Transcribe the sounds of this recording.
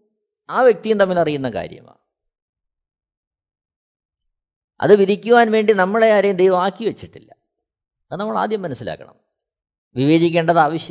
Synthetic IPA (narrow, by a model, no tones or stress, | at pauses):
aːʋjek̚t̪ijumt̪ɐmːilɐrijun̪ːɐka̰ːɾjɐ̰ma̰ː | ɐ̰ðɨʋiðikʲːuʋaːnʋe̞ːɳɖinɐmːɐɭejaːɾejumd̪ejʋɐmaːkːiʋɐt͡ɕːiʈːilːɐ | ɐðɨnɐmːɐɭa̰ːd̪ʱjɐmːɐnɐsːila̰ːkːɐ̰ɳɐ̰m | ʋiʋe̞ːd͡ʑikʲːeːɳɖɐðaːʋɐɕjɐ